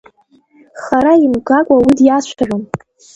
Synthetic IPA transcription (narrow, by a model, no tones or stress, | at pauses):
χaɾaimkʼakʷʼawidjaʃʷʰarʷom